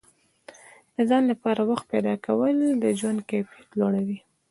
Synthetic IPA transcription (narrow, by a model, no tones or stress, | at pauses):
d̪̥əzɑnlapɑɾawaxt̪̚ped̪ɑkawəld̪əd͡ʒwand̪̚kepjit̪loɽawi